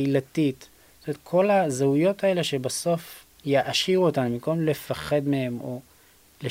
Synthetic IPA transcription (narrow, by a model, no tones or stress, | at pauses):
ilat̪it | st̪omet̪̚kʰo̞lazeujo̞tʰae̞le̞ʃe̞baso̞f | jaʔaʃiʁuotanumiko̞mle̞faχe̞d̪me̞he̞mo̞ | le